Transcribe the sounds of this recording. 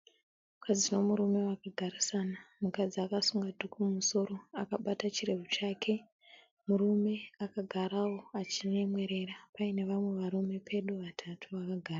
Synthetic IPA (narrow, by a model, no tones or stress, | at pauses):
ukad͡zino̞muɾume̞wakaɡʱaɾisanamukad͡ziakasuŋɡadʱukumuso̞ɾo̞akaɓatat͡ʃire̞vut͡ʃaːkʰe̞ | murume̞akaɡʱaɾawo̞at͡ʃine̞mwe̞ɾe̞ɾapaine̞ʋamwe̞ʋaɾume̞pʰe̞ɗuʋatʰatʰuʋakaɡʱaːra